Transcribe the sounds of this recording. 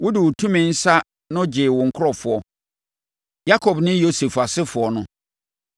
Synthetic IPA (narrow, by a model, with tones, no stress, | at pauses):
wʊ˦dɪ˨wʊ˨tʰũ˦mɪ̃˨n̩˦sa˦ | nʊ̃˦d͡ʑɪ˨wʊ̃˨ŋ̩˨kʰʊ˦ɾɔ˨fʊ˨ɔ˨ | ja˦kʰɔ˨bnɪ̃˦jo˦se˨fa˨sɪ˦fʊ˨ɔ˨nʊ̃˦